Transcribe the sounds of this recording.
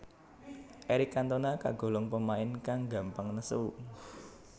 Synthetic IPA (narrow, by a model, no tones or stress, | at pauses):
ʔeɾikːant̪onaka̰ɡ̥o̤lɔŋpəmaɪnkaŋɡa̤mpaŋnəsuu